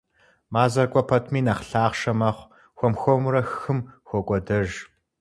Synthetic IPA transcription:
maːzɐrkʷʼɔpʰɐtʰmiːnɐχɬaːχʃɐmɐχʷ | xʷɔmxʷɔmɾɐxxɨmxʷɔkʷʼɔdɐʒ

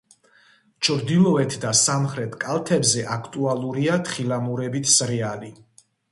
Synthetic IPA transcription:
t͡ʃʰɾd̪ilˠɔɛt̪ʰd̪asamχɾɛt̪ʰkʼalˠt̪ʰɛbzɛʔakʰt̪ʼualˠuɾiat̪ʰχilamuɾɛbit̪ʰsɾɛali

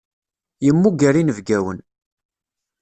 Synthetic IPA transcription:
jəmːuɡæɾinəvɡæwən

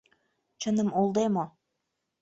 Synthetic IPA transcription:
t͡ɕənəmuld̪emo

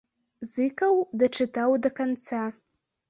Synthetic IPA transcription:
zɨkʰʼawdaʈ͡ʂʰɨtʰawdakʰant͡sʰa

